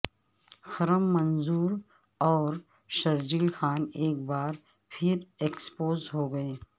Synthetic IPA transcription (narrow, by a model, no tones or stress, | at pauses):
xɐɾəmːɐnzuːɾ | ɔːɾ | ʃɐɾd͡ʒiːlxaːneːk̚baːɾ | pʰɪɾeːkspoːzɦoːɡɐeː